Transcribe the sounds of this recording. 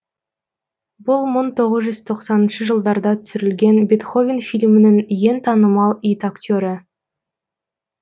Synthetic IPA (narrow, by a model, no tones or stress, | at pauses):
bʊlˠməɴt̪ʰo̞ʁəzʒʏz̥t̪ʰo̞qsɑnənʃəʒəlˠd̪ɑɾd̪ɑt̪ʰʏ̥sʏɾɪlɡʲe̞nbʲet̪χo̞vʲinfilʲmɪnɪŋje̞nt̪ʰɑnəmɑlˠijt̪akt̪ʲoɾə